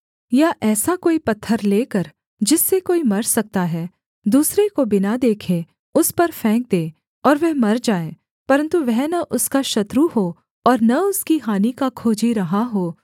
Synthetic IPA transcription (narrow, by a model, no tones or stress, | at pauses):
jaʔɛːsakoːipɐt̪ʰːəɾleːkɐɾ | d͡ʒɪsːekoːimɐɾsɐk̚t̪aɦɛː | d̪uːsɾekobɪnad̪eːkʰẽ | ʊspɐɾfʰɛ̃ːk̚d̪ẽː | ɔːɾʋɛɦmɐɾd͡ʒaːẽː | pɐɾə̃nt̪uʋɛɦnɐʔʊskaʃɐt̪ɾuɦoː | ɔːɾnɐʊskiɦaːnikakʰoːd͡ʒiɾɐɦaɦoː